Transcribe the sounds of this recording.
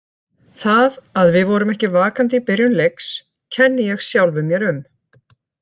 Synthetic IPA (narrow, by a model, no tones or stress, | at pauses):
θaðaðvɪðvɔɾʏmɛhcɪvaːkant̪ipɪɾjʏnleks | cʰɛnːɪjɛɣsjawlvʏmjɛɾʏm